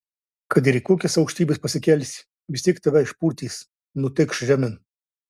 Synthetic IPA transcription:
kɐt̪iɾikoːkʲɛsɐʊkʃʲt̪ʲiːbʲɪspɐsʲɪkʲɛlʲsʲ | ʋʲɪsʲt̪ʲiːɛk̚t̪ɐʋʲɛɪʃpuːɾʲt̪ʲiːs | nʊt̪ʲɪkʃʒʲæmʲɪn

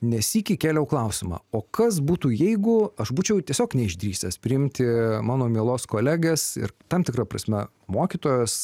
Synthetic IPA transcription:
nʲɛsiːkʲɪkʲeːlʲɛʊklˠɐʊsʲɪmɑ̰ːoːkɐsbuːt̪uːjɛɪɡʊɐʃbuːt͡ʃʲɛʊt̪ʲiɛsʲoːknʲɛɪʒʲd̪ʲɾʲiːsʲɛspʲɾʲɪɪmʲt̪ʲɪmɑːnoːmʲiɛlˠoːskoːlʲæːɡʲɛsɪ̰rt̪ɐmt̪ʲɪkɾɑpɾɐ̰sʲmʲɛ | moːkʲiːt̪oːjɛs

